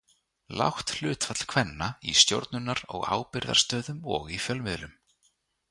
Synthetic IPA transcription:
la̰wht̪l̥ʏːt̪fat̪l̥kʰvɛnːaist̪jo̰wɾt̪nʏnːaɾɔɣa̰ːwpɪɾða̰̥st̪œːðʏmɔɣifjœlmɪðlʏm

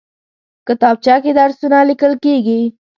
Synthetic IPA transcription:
kət̪ɑb̚t͡ʃɑked̪aɾsunalɪkəlkeɡi

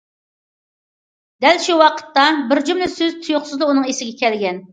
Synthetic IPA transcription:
d̪ɛlʃuwɑqʰə̥t̪ːɑbɪɾd͡ʒumlɪsøzt̪ʰujʊχsɨzd̪ɑunɨŋesɪɡʲɛkʲʰɛlɡʲɛn

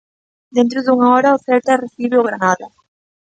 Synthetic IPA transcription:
d̪ent̪ɾʊðuŋaɔɾaofeɾt̪areθiβɪoɣɾanaða

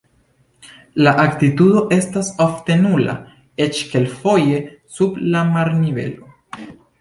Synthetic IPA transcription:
laʔaktitudo̞ʔe̞stasofte̞nula̰ | e̞t͡ʃke̞lfo̞je̞sublamaɾnive̞̰lo̞

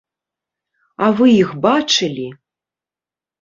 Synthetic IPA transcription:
avɨjixbaʈ͡ʂʰɪlʲi

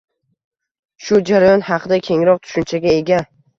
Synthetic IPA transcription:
ʃʊd͡ʒaɾajɒnhɑqʰɨd̪akʲʰe̞ŋɾɒq̚t̪ʰʊ̥ʃʊnt͡ʃʰaɡʲae̞ɡʲa

